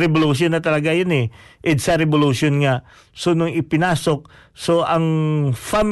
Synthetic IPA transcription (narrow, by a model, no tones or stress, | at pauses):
ɾɛboluʃ̬jonːɐt̪ɐlɐɡajonɛʔɛd̪sɐɾɛboluʃonŋaʔ | sonoŋɪpɪnaːso̞k̚ | so̞ʔɐŋfam